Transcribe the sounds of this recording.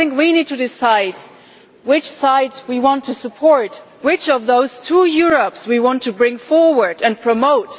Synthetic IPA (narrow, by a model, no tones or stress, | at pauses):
ɪ̃ŋkwinid̚tʰɨdɪsaɪd̚ | wɪt͡ʃsaɪdzwiwɑ̃ntʰɨsɨpʰɔɹt | wɪt͡ʃʌvðoʊz̥tʰujʊɹəpswiwɑ̃ntʰɨbɹɪ̃ŋfɔɹwə˞dɨ̃npʰɹ̥ɨmoʊt